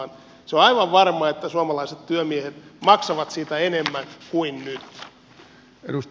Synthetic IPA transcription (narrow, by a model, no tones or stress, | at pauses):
n | seoɑiʋɑʋʋɑrmɑet̪ːæsuomɑlɑiset̪t̪yømiehet̪mɑksɑʋɑt̪siːt̪æenemːæŋkuinnyt̪ | ḛdus